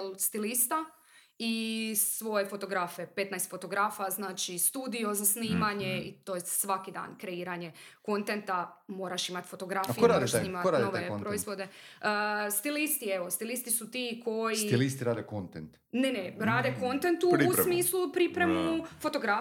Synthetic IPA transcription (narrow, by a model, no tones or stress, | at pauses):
lst̪ilist̪a | isʋo̞jefo̞t̪o̞ɡɾaːfe̞pe̞t̪najst̪fo̞t̪o̞ɡɾaːfaznaːt͡ʃist̪uːd̪io̞zasniːmaɲeit̪o̞jesʋakid̪a̰ːnkɾe̞iːɾaɲe̞ | ko̞nt̪ent̪amo̞ːɾaʃimat̪fo̞t̪o̞ɡɾafiemɾaoaʃnimaanoʋepɾoizʋo̞d̪e̞ | st̪ilist̪ieʋo̞st̪ilist̪isut̪ikʰo̞jisilist̪iɾaːd̪ekont̪ent̪ | neneɾaːd̪ekont̪ent̪uɾsmiːslupɾipɾe̞mufo̞t̪o̞ɡɾa